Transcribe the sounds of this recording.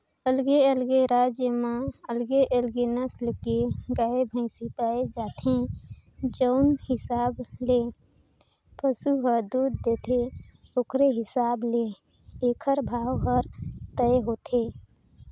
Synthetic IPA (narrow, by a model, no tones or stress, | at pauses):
əlɡeəlɡeɾad͡ʒjəmãəlɡeʔəlɡenəsləkeɡaebʱə̃ɪsipaːed͡ʒaːt̪ʰẽ | d͡ʒəʊnhɪsaːble | pəsuɦəd̪ud̪ːeːt̪ʰe | okɾeɦɪsaːble | ekʰəɾbʱaːwɦəɾt̪əeɦoːt̪ʰe